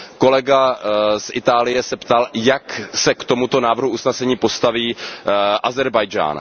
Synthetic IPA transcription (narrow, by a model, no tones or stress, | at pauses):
ko̞lɛɡasʔɪt̪aːlɪjɛsɛpt̪aljaksɛkt̪o̞mut̪o̞naːvrɦuusnɛsɛɲiːpo̞st̪aviːʔazɛɾbajd͡ʒa̰ːn